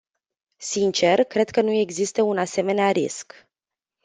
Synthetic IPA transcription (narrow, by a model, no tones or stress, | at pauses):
sint͡ʃe̞rkɾe̞d̪̚kənue̞ɡzist̪əunase̞me̞neaɾḭsk